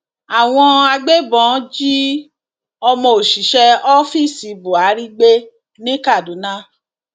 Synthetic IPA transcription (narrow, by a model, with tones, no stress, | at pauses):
a˨w̃ɔ̃˧a˧ɡ͡be˦bɔ̃˨˦d͡ʒi˦ | ɔ˧mɔ̃˧o˨ʃi˨ʃɛ˧ɔ˦fi˦˨si˨bo˨a˨˦ɾi˦ɡ͡be˦ | nĩ˦ka˦˨du˨˦nã˦